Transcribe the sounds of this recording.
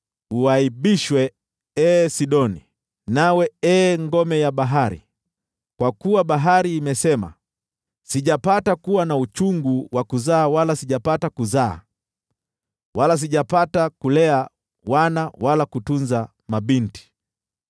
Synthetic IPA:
uaiɓiʃwɛ | ɛːsiɗɔni | nawɛɛːŋɡɔmɛjaɓaɦaɾḭ | kwakuwaɓaɦaɾiːmɛsɛma̰ | siʄapatakuwanaut͡ʃuŋɡuwʔakuzaːwalasiʄapatakuza̰ː | walas̬iʄapatakulɛa | wanawalakutunza | maɓinti̥

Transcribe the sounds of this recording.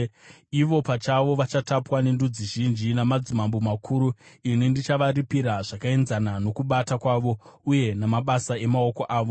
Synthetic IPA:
iʋo̞pat͡ʃaʋo̞ʋat͡ʃatapwanendud͡ziʒind͡ʒinamad͡zimambomakʰuɾuinindit͡ʃaʋaɾipiɾaʐakae̞nzanano̞kuɓatakwaːʋo̞uje̞namaɓasae̞mao̞ko̞ʔaːʋo

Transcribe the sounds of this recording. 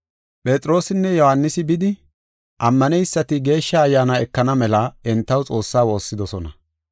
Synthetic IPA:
pʼet͡sʼɾo̞ːsɪnːɛjɔhanːɪsɪbɪd̪ɪ | ʔɐmːɐnɛjsːɐt̪ɪɡe̞ːʃːɐːjːaːnaɛkːɐnɐmɛlɐɛnt̪ːɐwt͡sʼo̞ːsːaːwo̞ːsːɪd̪ɔsɔnɐ̰

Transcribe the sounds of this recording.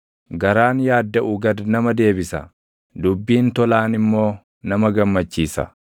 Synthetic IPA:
ɡɐɾaːnjaːd̪ːɐʔʊɡɐd̪nɐmɐd̪e̞ːbɪsɐ̰ | d̪ʊbːiːnt̪ɔlaːnɪmːo̞ː | nɐmɐɡɐmːɐt͡ʃːiːsɐ̰

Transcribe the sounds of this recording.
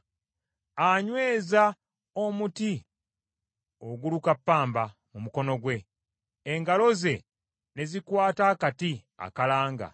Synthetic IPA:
aɲwe̞ːza | omuti | o̞ɡulukapːaːmbamumuko̞no̞ɡwe̞ː | ŋɡalo̞ze̞ | ne̞zikwaːtaːkati | a̰kalaːŋɡa̰

